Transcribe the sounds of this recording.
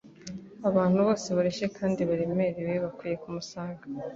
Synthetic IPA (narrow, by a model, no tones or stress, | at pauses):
aβaːn̥huβo̞ːseβaɾeʃekʰaːndiβaɾeme̞ɾeβeβakwiːje̞kumusaːŋɡa